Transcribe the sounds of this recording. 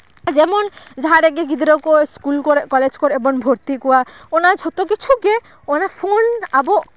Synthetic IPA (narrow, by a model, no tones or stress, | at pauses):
d͡ʒɛmɔnd͡ʒaɦaɾɛɡeɡid̪ɾɔkɔskulkɔɾkɔled͡ʒkɔɾɛbɔnbʱoɾt̪ikɔwa | ɔnad͡ʒʱɔt̪okit͡ʃʰuɡe | ɔnapʰonabɔ